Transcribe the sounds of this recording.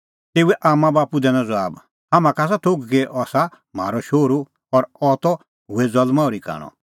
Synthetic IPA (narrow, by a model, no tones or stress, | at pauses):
t̪eːuɛʔaːmãbaːpud̪ɛnãd͡zɔaːb | hamãkaːs̬at̪ʰoɡɡeʔɔːsa | m̤a̰ːɾɔʃoːɾu | ɔɾɔːt̪ɔ | ɦuɛd͡zɐlmãʊɾika̰ːɽ̃ɔ̰̃